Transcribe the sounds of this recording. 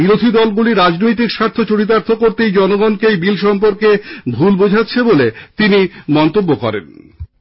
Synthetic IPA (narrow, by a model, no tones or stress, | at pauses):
biɾod̪ʱid̪ɔlɡuliɾad͡ʑnojt̪̬ikʃaɾt̪ʰot͡ɕoɽit̪̬aɾt̪ʰokoɾt̪ejd͡ʑɔnoɡɔnkejbilʃɔmpoɾkebʱulbod͡ʑʱatːɕʰebolet̪inimɔnt̪obːokɔ̰ɾḛn